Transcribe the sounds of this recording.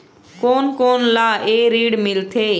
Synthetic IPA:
koːnkoːnlaːeːɾiːɽmɪlt̪ʰeː

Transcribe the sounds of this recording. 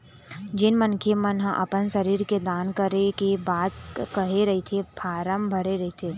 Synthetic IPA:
d͡ʒɪnmənkʰemənɦəʔɐ̰pənʃɐɾiːɾked̪aːnkəɾekebaːd̪kɐɦeɾɐɦet̪ʰepʰaːɾəmbʱɐɾeɾɐɦet̪ʰeː

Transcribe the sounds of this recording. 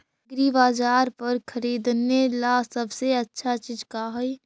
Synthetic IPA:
ɡɾiʋaːd͡ʒaːɾpəɾkʰəɾiːd̪nelasəbseətːʃʰat͡ʃiːd͡ʒkaɦoj

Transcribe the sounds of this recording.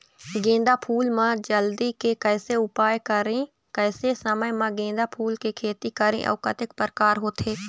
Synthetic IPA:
ɡẽːd̪aːpʰuːlmãd͡ʒəld̪ikekɛːseʊpaːjkəɾẽ | kɛːsesəməjmãɡẽːnd̪apʰuːlkekʰeːt̪ikəɾḛ̃ʔɔ̰ːkət̪ɪkpəɾkaːɾɦoːt̪ʰeː

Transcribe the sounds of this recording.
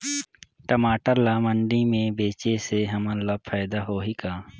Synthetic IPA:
ʈəmaːʈəɾlaːməɳɖimẽbeːt͡ʃeseɦɐmə̃labpʰaːɪd̪aɦoːɦikaː

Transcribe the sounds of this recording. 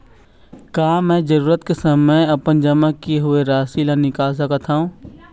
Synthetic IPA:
kaːmɛ̃ːd͡ʒɐɾuːɾət̪kesəməjɐpənd͡ʒɐmakeɦʊeɾaːsilanɪkaːls̬əkət̪ʰaːũː

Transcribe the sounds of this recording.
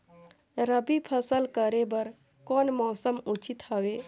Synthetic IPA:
ɾəbipʰəsəlkəɾebəɾ | kɔːnmɔːsəmut͡ʃit̪ɦawe

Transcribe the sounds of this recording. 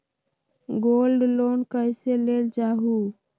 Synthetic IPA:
ɡoːlɖloːnkəɪseleːld͡ʒaːɦuː

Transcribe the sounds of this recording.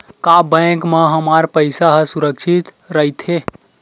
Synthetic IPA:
kabə̃kmeɦəmaɾpəɪsaɦsuɾəkt͡ʃʰit̪ | ɾəit̪ʰɦe

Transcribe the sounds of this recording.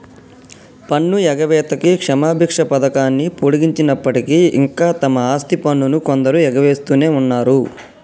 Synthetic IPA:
pɐɳːuɛɡɐʋɛːt̪ɐkikʂɐmaːbʱikʂɐpɐd̪ɐkaːnːipuɽiɡiɲt͡ʃinɐpːɐʈikiḭŋkaːt̪ɐmɐaːst̪ipɐnːunukond̪ɐɾujɛɡɐʋe̞ːst̪uːne̞ːunːaːɾu

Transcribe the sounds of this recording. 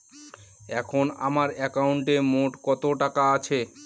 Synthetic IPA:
ɛkʰona̰maɾɛkauɳʈemoʈkɔt̪oʈakaat͡ɕʰe

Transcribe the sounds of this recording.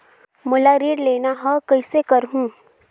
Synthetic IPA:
mulaɾiːɽlenaɦəkəjsekəɾɦũː

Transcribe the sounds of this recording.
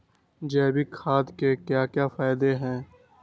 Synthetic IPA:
d͡ʒɛːbikʰaːd̪kekjaːkjaːfaːɪd̪eɦɛ̃ː

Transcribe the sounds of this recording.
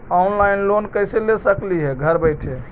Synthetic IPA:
ɔnlaɪnlonkəjselesəkliɦɛɡʱəɾbəjʈʰɦe

